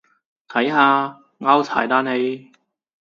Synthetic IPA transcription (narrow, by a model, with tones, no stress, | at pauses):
t̪ʰɐ˨˥jɦaː˧ | ŋaː˥wtʰa̰ː˨˩jt̪aː˨˥ne˨˧j